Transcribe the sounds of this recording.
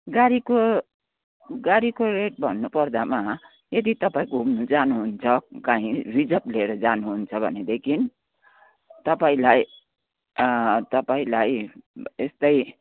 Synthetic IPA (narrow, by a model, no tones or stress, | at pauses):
ɡaɾiko | ɡaɾikoreʈ̚bʱʌnːupʌrd̪ama | jed̪it̪ʌpaĩkoɦumnud͡zanuɦunt͡sʰʌkaɦĩrid͡zʌpleeɾʌd͡zanuɦunt͡sʰʌbʱʌ̰ned̪ekʰin | t̪ʌpaĩlaj | t̪ʌpaĩlajest̪ʌj